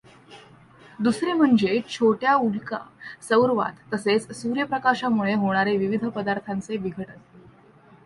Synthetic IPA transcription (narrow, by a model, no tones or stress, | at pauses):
d̪usɾem̤əɳd͡zet͡ɕʰoʈjaulka̰səwɾʋa̰t̪ːəset͡ssuɾjəpɾəkaɕamuɭeɦoɽ̃aɾeʋiʋid̪ʱəpəd̪aɾt̪ʰant͡seʋiɡʱəʈən